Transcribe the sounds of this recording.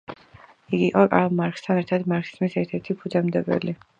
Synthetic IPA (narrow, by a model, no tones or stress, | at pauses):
iɡiqʼɔkʼalˠmaɾkst̪ʰanɛɾt̪ʰad̪maɾkʰi̥zmisɛɾt̪ʰɛɾt̪ʰipʰud̪ɛmd̪ɛbɛ̰li